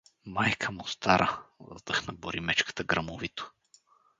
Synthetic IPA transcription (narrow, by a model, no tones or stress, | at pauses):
majkʰəmʊst̪aɾʔəd̪əxnɐboɾimɛt͡ʃkə̥t̪əɡɾɐmovit̪o̥